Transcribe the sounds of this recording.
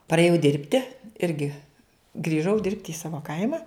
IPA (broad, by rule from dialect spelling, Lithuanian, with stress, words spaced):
pɐrʲeːˈjɛʊ ˈdʲɪrʲpʲtʲɪ ˈɪrʲɡʲɪ ɡrʲiːˈʒɐʊ ˈdʲɪrʲpʲtʲɪ iː ˈsɑːʋoː ˈkɐɪmɐ